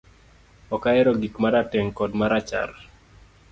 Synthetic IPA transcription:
ɔkaɛɾɔɡikmaɾatɛŋkɔdmaɾat͡ʃa̰ɾ

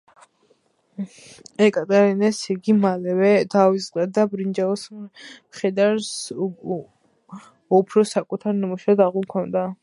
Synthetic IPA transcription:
ɛkʼat̪ʼɛɾinɛsiɡimalɛvɛd̪awisʼqʼɛd̪abɾind͡ʒaɔsmχɛd̪aɾs | ɔpʰɾɔsakʼut̪ʰaɾnimuʃad̪aʁulˠkʰɔnd̪a

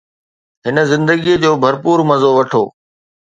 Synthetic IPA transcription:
ɦɪnə̆zɪ̃nd̪əɡied͡ʑoːbʱɐɾpuːɾmɐzoʋɐʈʰo̰ː

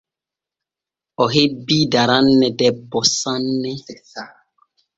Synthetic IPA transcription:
ɔɦebidaɾanːɛdɛbɔsanːɛ

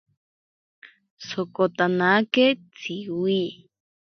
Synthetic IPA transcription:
sokot̪anaket͡sʰiwi

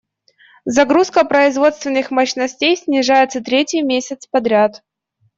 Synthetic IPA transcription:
zɐɡɾuskəpɾəɪzvo̞t̪st̪vʲɪnːɨxmɐɕnɐsʲtʲejsʲnʲɪʐajɪt̪sət̪ɾʲetʲɪjmʲesʲɪt̪spɐd̪ɾʲat̪

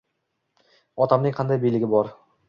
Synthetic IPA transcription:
ɒt̪ʰamnɪŋqʰɑnd̪ajbejlɪɡʲɪbɒɾ

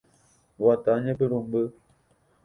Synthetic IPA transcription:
wataɲep̬əɾumbə

